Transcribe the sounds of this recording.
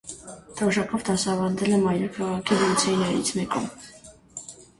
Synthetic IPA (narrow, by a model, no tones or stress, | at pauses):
d̪̥ʰɔʒɑpʰɔvd̪ɑsɑvɑɾd̪ɛlɛmɑjɾukʰɑʁɑkʰivɔlt͡sʰɛnɑɾḭt͡sʰmɛkʼɔ̰m